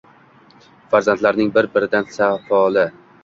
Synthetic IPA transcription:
faɾzant̪laɾnɪŋbɪɾbɪɾɪd̪ansafɒlˠɪ

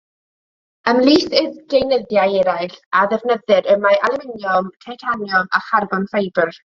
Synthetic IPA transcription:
əmlˠiːθɪðɡ̥ejnəðjajɛɾajɬaðɛvnəðɨɾəmaʔalˠɪmɪnjɔmtʰajtʰanjɔma̰χarɡɔnfejbər

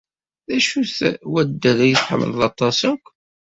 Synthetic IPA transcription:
ðæʃuθwæd̪ːæðæjəsħə̰mːə̰lðɑt̪ˤɑsəkʷː

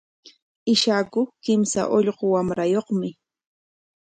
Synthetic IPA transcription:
ɪʃaːkʊkɪmsa̰ʔoʎɢowamɾajoχmɪ

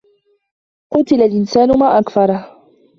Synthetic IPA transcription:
qʊt̪ɪlalʔɪnsaːnʊmaːʔakfɑɾˤɑh

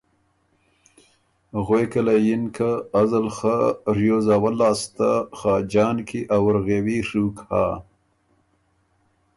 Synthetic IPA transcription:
ɣwekalajinkʰaːzalxaɾjoːzaːwalːɑːst̪axɑːd͡ʒɑːnkʰiʔawaɾɣewiʂuːkha̰ː

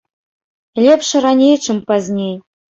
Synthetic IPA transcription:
lʲepʂɘ̆ɾɑnʲejt͡ʃɘ̆mpɑzʲnʲej

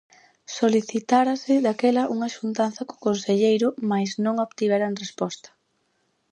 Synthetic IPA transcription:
soliθit̪aɾɐsɪðakɛlɐʔuŋɐʃunt̪anθɐko̥konseʎejɾʊmajznõŋoβt̪iβɛɾaŋrespɔst̪ɐ̥

